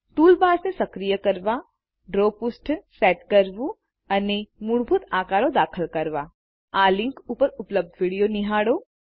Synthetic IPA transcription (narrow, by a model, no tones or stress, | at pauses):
t̪uːlbaːsnẽsɐkɾijəkɐɾʋa | ɖɾoːpʊsʈsɛːʈkɐɾʋu | ɐnemʊɽbʱʊt̪aːkaːɾõd̪aːkʰəlkɐɾʋa | aːlɪ̃ŋkuːpəɾʊpləb̚d̪ʱʋiɽijonɪɦaːɽoː